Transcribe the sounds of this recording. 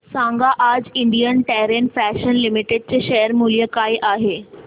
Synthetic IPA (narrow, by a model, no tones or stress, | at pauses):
sãŋɡaʔad͡ʑiɳɖijənʈɛɾenfæʃənlimiʈeɖ̚t͡ɕeʃɛɦjəɾmuljəkaiʔaɦe